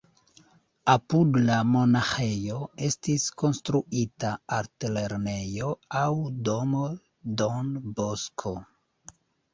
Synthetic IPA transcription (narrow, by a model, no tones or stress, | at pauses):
apudlamo̞naxe̞jo̞e̞stisko̞nstɾuʔitaaɾtile̞ɾne̞jo̞awdo̞mo | donboskʰo̞